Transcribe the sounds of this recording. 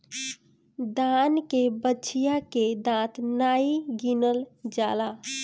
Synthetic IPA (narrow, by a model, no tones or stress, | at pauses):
d̪ankebətːt͡ʃʰijaked̪ãt̪naiɡinəld͡ʒala